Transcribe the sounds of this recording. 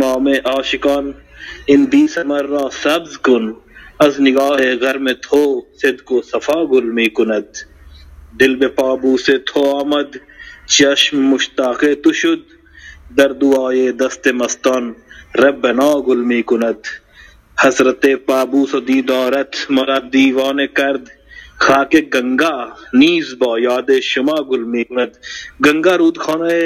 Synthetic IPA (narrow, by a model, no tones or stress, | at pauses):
maːmẽʔaːʃɪkaːn | ɪnb̪iːsɐmɐɾːaːsɐbzkʊnɐznɪɡaːɦeːɣɐɾmẽt̪ʰoːsɪd̪kosɐfaːɡʊlmiːkʊnɐt̪̚ | d̪ɪlbepaːbuːset̪ʰoːaːmɐd̪ | t͡ʃɐʃmːʊʃt̪aːqeːt̪uʃʊd̪̚ː | ɐɾd̪uaːjeːd̪ɐst̪emɐst̪ɔːnɾɐbɐnaːɡʊlmiːkʊnɐt̪ | hɐzɾɐt̪epaːbuːsɐd̪iːd̪ɔːɾɐt̪ʰmɐɾaːd̪iːʋaːnekɐɾd̪ | xʰaːkeɡɐŋɡaːniːzbɔːjaːd̪eːʃʊmaːɡʊlmiːkʊnɐt̪̚ɡɐŋɡaːɾuːd̪kʰoːnae